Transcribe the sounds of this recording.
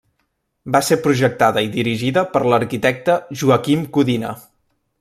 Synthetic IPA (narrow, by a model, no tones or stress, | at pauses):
baseɾpɾuʒək̚t̪aðəiðiɾiʒiðəpəɾləɾkit̪ɛk̚t̪əʒuəkimkuðinə̰